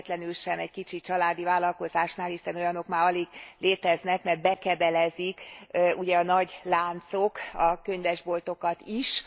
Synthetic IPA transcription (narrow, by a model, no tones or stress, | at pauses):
t̪lɛnylʃɛmɛɟkit͡ʃit͡ʃɒlaːd̪ivaːlːɒlko̞zaːʃnaːlhisɛno̞jɒno̞kmaːɾɒleːɡleːt̪ɛznɛkmɛrt̪bɛkɛd̪ɛlɛzikʔuɟɛɒnɒɟlaːnt̪so̞kɒkø̞ɲvɛʒbo̞lt̪o̞kɒt̪iʃ